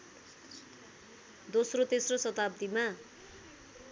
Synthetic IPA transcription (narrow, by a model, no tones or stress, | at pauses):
d̪osrot̪esrosʌt̪ab̚d̪ima